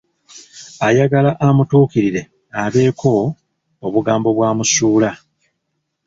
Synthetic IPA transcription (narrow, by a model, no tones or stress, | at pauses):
ajaɡalaʔamutuːkiɾiɾe̞ | aβe̞ːkʰo̞ː | βuɡaːmbo̞βwaːmusuːla